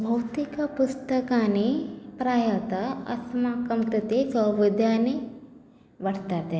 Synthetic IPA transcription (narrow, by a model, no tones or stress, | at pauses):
bʱɐwt̪ikapʊst̪ɐkanepɾaːjat̪aɐ̰smakɐmt̪ɐt̪esɐʋɪd̪jaːne | ʋɐɽt̪at̪ɛ